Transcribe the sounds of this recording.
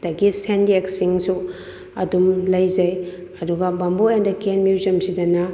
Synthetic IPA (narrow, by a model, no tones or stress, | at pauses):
dɐɡisendieksiŋsu | ɐ̰dumlɐjzɐj | ɐduɡɐbɐmboendɐkenmjuzɐmsidɐnɐ